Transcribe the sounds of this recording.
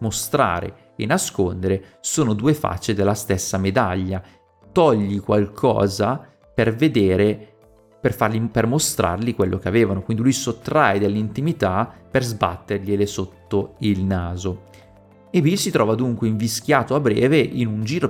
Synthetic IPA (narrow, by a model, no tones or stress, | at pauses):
most̪ɾa̰ːɾḛ | enaskond̪eɾesoːnod̪uːefa̰t͡ʃːed̪elːast̪esːamed̪aʎːa | t̪ɔʎːikwalkʰɔ̰ːza | perved̪eːɾe | perfarlipermost̪ɾa̰rlikwelːʔokeaveːvanokwind̪ilujsot̪ːɾajd̪elːint̪imit̪aperzba̰t̪ːerʎelesot̪ːoilnaːzo | episit̪ɾɔːvad̪uŋkweiɱviskjaːt̪oabɾɛ̰ːveʔinund͡ʒiːɾo